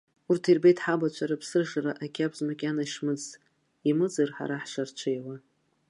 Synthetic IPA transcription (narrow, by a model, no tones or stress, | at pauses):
urtʰirbejtʰħabat͡ʃʷʰaɾapʰsɨrʐaraʔakʲʰʼabʰzmakʲʼanaiʂmɨd͡z | imɨd͡zɨrħa̰ɾaħʂart͡ʃʷʰejla